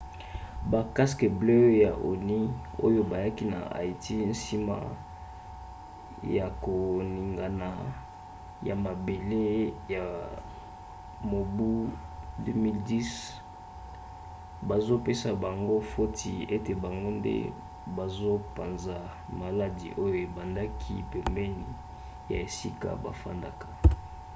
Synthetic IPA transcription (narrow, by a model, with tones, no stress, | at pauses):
ba˨ka˦ske˨blø˦ja˨ʔo̰˨ni˦o̰˦jo˦ba˨ja˦ki˦na̰˨a̰˨i˨ti˦n̩˦si˦ma̰˦ | ja˨ko˨ni˨ŋɡa˨na˨ | ja˨ma˨be˨le˦ja˨ | mo˨bu˦dø˦mi˦ldi˦s | ba˨zo˦pe˦sa˨ba˨ŋɡo˦fo˦tʰi˨e˦te˨ba˨ŋɡo˦ndḛ˦ | ba˨zo˦pa˨nza˨ | ma˨la˦dḭ˨ʔo˦jo˨e˨ba˨nda˦kʰi˦pɛ˨mbɛ˦ni˨ | ja̰˨e˨si˦ka̰˨ba̰˨fa̰˦nda̰˦kḁ˨